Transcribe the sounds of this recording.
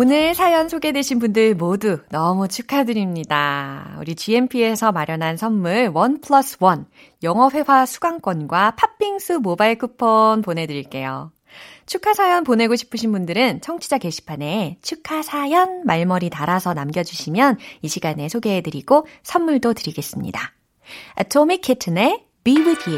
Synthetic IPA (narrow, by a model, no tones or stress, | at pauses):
onɯɭsʰajʌnsʰoɡedweɕʰinbundɯɭmodunʌmut͡ɕʰukʰadɯɾimɲidaṵɾit͡ɕie̞npʰie̞sʰʌmaɾjʌnɦansʰʌnːuɭwʌnpʰɯɭʌs͈ʰɯwʌn | jʌŋʌɸwe̞wasʰuɡaŋk͈wʌnɡwapʰap͈ʰːiŋsʰɯmobaiɭkʰɯpʰʌnpone̞dɯɾiɭk͈e̞jo̰ | t͡ɕʰukʰasʰajʌnpone̞ɡoɕʰi̥pʰɯɕʰinbundɯɾɯnt͡ɕʰʌŋt͡ɕʰid͡ʑake̞ɕʰi̥pʰane̞t͡ɕʰukʰasʰajʌnmaɭmʌɾitaɾasʰʌnamɡjʌd͡ʑuɕʰimjʌniɕʰiɡane̞sʰoɡe̞ːdɯɾiɡ̥osʰʌmːuɭdotɯɾiɡe̞s͈ɯmɲḭda | atʰomikʰːetʰɯne̞ | bibutʰi